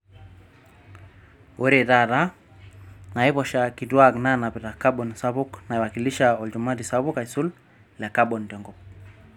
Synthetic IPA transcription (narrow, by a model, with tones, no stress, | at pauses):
ʔo˦ɾe˦˨ta˦ɾa˦ | na˨i˦βɔ˨ʃa˨ki˨twa˦kna˦na˨pi˨ta˨ka˦ɓɔ˨nsa˦βu˦kna˨i˨wa˨ki˨li˦ʃaɔ˨ld͡ʒu˨ma˦di˨saβu˦ka˨i˨su˦l | la˨ka˦ɓɔ˨ndjɔ˨ŋɡɔ˨p̚